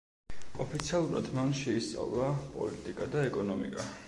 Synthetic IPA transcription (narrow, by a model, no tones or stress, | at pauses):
ɔpʰit̪sʰialˠuɾa̰d̪manʃɛist̪sʼa̰vlˠapʼɔ̰lit̪ʼikʼad̪aɛkʼɔnɔmḭkʼa